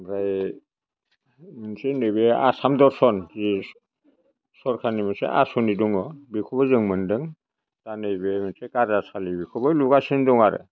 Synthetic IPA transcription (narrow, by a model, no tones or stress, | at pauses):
bɾaj | mɯnsenɯjbea̰samdɔɾsɔnzi | sɔɾkʰanimɯnsḛʔa̰suniduŋɔbikʰɔbazɯŋmɯndɯŋ | tanɯjbemɯnsekaɾasalibikʰɔbɯluɡasinduŋaɾɯ̰